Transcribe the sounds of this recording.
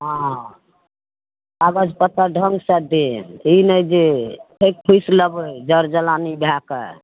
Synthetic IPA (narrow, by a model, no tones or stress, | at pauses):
ɦã | aɡəd͡ʒʱpət̪əɖʱəŋɡsəd̪einəjd͡ʒeekkʰujsləbd͡ʒəɾd͡ʒəlanibʱakə̰